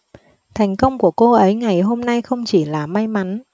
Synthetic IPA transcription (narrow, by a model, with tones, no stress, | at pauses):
t̪ʰa˨˩jŋ̟kə˧wŋ͡mku˧˩əko˧ʔə˨˦jŋa˨˩jɦo˧mna˧jxə˧wŋ͡mt͡ɕi˧˩laː˨˩ma˧jma˨˦n